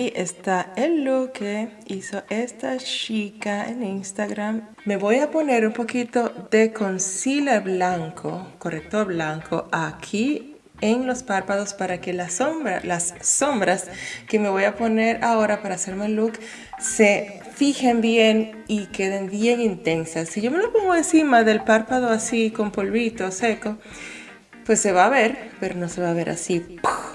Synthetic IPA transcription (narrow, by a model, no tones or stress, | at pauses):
iʔest̪aelːuke | iso̞ʔest̪aʃikaḛninst̪aɣɾamː | e̞βo̞japo̞ne̞ɾumpo̞kit̪o̞ðe̞ko̞nsilaβlaŋkʰokorek̚t̪o̞ɾβlaŋkʰo̞ʔakʰi | enlo̞spaɾpaðo̞spaɾake̞lasombɾa̰lasːo̞mbɾaske̞me̞β̞o̞japo̞ne̞ɾao̞ɾapaɾase̞ɾmeluk | se̞ | fixembjen | ike̞ð̞embje̞ŋint̪e̞nsasːiʝo̞me̞lopo̞ŋɡoensimaðe̞lpaɾpaðo̞asiko̞mpo̞lβit̪o̞se̞ko̞ | pwe̞sːe̞βaβe̞ɾpe̞ɾo̞no̞se̞βaβ̞e̞ɾʔa̰sip